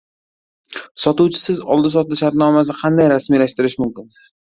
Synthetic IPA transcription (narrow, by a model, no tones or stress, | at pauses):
sɒt̪ʊwt͡ʃʰɪ̥sɪzɒ̰lˠd̪ɪsɒt̪lɪʃaɾt̪nɒmas̬ɪqʰɑnd̪ajɾasmilaʃt̪ɪɾɪʃmʊmkʲɪn